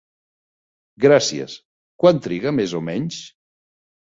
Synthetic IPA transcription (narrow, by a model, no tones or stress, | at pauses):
ɡɾasiə̰s | kwant̪ɾiɣəmezomɛɲs